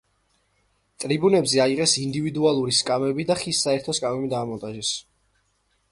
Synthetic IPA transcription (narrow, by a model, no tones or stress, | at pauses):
t̪ʼɾibunɛbzɛaiʁɛsind̪ivid̪ualˠuɾiskʼamɛbid̪aχisːaɛɾt̪ʰɔskʼamɛbid̪aːmɔnt̪ʼaʒɛs